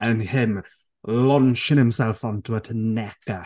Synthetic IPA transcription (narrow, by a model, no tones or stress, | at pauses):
ənhɪm | lɔnʃɪnhɪmsɛlˠfɔntʰuətʰənɛɡ̥ə